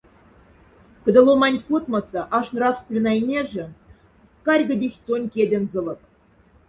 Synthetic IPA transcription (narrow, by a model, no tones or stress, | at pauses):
kə̆d̪ə̆lˠomɑnʲt̪ʲpot̪mɑsɤ̆ʔɑʂnrɑfst̪vʲenɑjnʲeʒɘ̆ | kɑrʲɡə̆dʲexʲt͡sonʲkʲedʲĕnzɤ̆lˠɤ̆k̚